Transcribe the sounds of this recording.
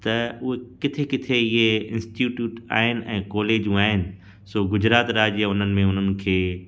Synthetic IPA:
t̪ɐʊɦekɪt̪ʰekɪt̪ʰeɪɦeɪ̃nsʈjuːʈjuːʈa̰ːɦɪnɪ̆ʔɛ̰̃ːkɔːleːd͡ʑũaːɦɪnɪ̆ | soːɡʊd͡ʑɾaːt̪ɾaːd͡ʑaʊn̤ənɪ̆mẽʊn̤ənɪ̆kʰeː

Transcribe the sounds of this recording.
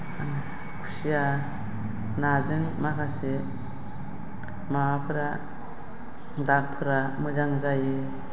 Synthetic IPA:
ana | kʰu̥sija | nazɯŋmakʰase | maapʰɯɾa | daɾ̚pʰɯɾamɯzaŋzajɯ

